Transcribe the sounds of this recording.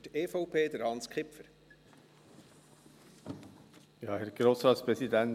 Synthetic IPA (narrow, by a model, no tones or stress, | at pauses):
teːfɔʊpʰeːd̪əɾhɑnskχɪpfəɾ | jɑːhɛɾɡ̥ɾoːsɾɑːt̪spɾɛsid̪ɛn